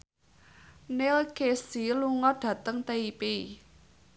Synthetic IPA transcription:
nelkesiluŋɔɖ̥ä̤t̪əŋt̪eipi

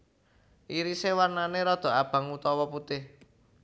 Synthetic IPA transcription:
ʔiɾisewarnaneɾɔd̪̥ɔ̤ab̥a̤ŋut̪ɔwɔput̪ɪh

